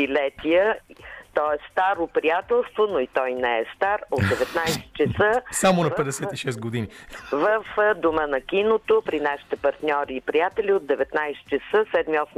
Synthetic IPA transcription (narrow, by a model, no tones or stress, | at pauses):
ilɛt̪iət̪ɔɛst̪aɾopɾijat̪ɛlˠst̪vonoit̪ɔjnɛɛst̪aɾot̪d̪ɛvɛt̪najsɛ̥t͡ʃɛsəsamonɐpɛd̪ɛsɛt̪iʃɛs̬t̪̚ɡod̪inivəfd̪omənɐkinot̪opɾinaʃi̥t̪ɛpɐɾt̪nʲɔɾiːpɾijat̪ɛliod̪ɛvɛt̪najsɛ̥t͡ʃɛsəsɛd̪miɔs